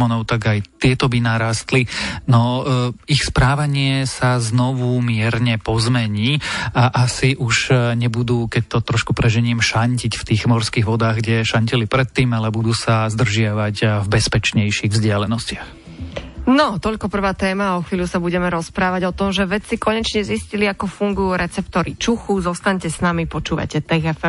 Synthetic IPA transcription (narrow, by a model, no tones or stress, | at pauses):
mɔnɔʊt̪aɡajt̪ɪɛt̪ɔbinaɾaːst̪linɔixspɾaːʋaɲɪɛsaznɔʋumɪɛɾɲɛpɔzmɛɲiːaʔasiʔuʒɲɛbud̪uːkɛc̚t̪ɔt̪ɾɔʃkupɾɛʒɛɲimʃaɲcicft̪iːɣmɔɾskiːɣʋɔd̪aːɣɡɟɛʃaɲcilipɾɛt̪ːiːmalɛbud̪uːsazd̪r̩ʒɪaʋacvbɛspɛt͡ʃɲɛjʃiɣvzɟɪalɛnɔscɪax | nɔt̪ɔʎkɔpr̩ʋaːt̪ɛːmaɔxʋiːʎusabuɟɛmɛɾɔspɾaːʋaɟɔt̪ɔmʒɛʋɛt͡sikɔɲɛt͡ʃɲɛzisciliakɔfuŋɡujuːɾɛt͡sɛpt̪ɔɾit͡ʃuxuzɔst̪aɲcɛsnamipɔt͡ʃuːʋa̰cɛt̪ɛɣɛfɛm